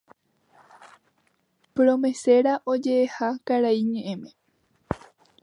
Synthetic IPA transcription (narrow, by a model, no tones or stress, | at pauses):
pɾõme̞se̞ɾaʔod͡ʒe̞ːhakaɾaiɲẽ̞ʔẽmẽ̞